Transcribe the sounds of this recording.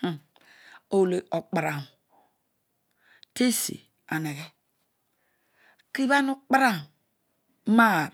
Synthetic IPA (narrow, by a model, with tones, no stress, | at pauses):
o˨wle˨o˨k͡pa˨ɾa˨ | te˦sḭ˨ | a˨ne˨ɣɛ˦ | ki˦βa˦nu˦k͡pa˦ɾa˦˨˦ | ma˦˨